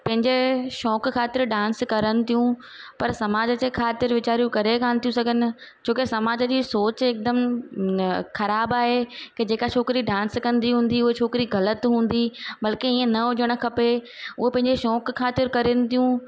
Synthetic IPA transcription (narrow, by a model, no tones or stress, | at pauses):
pɐ̃ɦɪ̃ɲd͡ʑeʃɔːkkʰaːt̪ɪɾɖãːnskɐɾənɪ̆t̪ʰijũ | pɐɾsɐmaːd͡ʑəd͡ʑekʰaːt̪ɪɾʋɪt͡ɕaːɾijũkɐɾekaːnɪt̪ijũsɐɡʱənɪ̆ | t͡ɕʰoːkesɐmaːd͡ʑəd͡ʑiːsoːt͡ɕeːk̚d̪əm | xɐɾaːbaːɦeked͡ʑeːkat͡ɕʰoːkɪɾiɖãːnskɐ̃nd̪iɦũːn̆d̪iʊɦet͡ɕʰoːkɪɾiɣɐlət̪ɦũːn̆d̪ibɐlkeiːə̃nɐʊd͡ʑəɽ̃ʊ̆kʰɐpe | ʊɦepɐ̃ɦɪ̃ɲd͡ʑeʃɔːkkʰːaːt̪ɪɾkɐɾənɪ̆t̪ʰijũ